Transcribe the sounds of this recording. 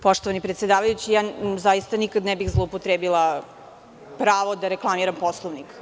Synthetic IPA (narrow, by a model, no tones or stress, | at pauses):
po̞ʃt̪oʋanipɾet̪sjed̪aːʋajut͡ɕijaːzajist̪anikad̪nɛbixzlˠoupot̪ɾeːbilˠa | pɾaːʋod̪aɾeklˠamiɾamposlˠoʋnik